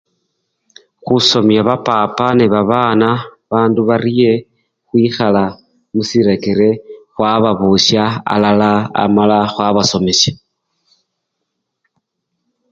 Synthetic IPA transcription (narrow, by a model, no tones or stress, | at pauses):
xuso̞mjaβapapaneβaβaːna | βaːnduβaɾije̞ | xwiːxala | musiɾe̞ke̞ɾe̞xwaβaβuʃjaa̰lalaa̰malaxwaβaso̞meʃḁ